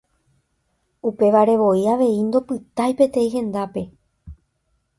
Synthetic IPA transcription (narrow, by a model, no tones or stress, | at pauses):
upe̞ʋaɾe̞ʋo̞iaʋe̞ind̪o̞pɨt̪ajpe̞t̪ẽ̞ĩɦẽ̞nd̪ape̞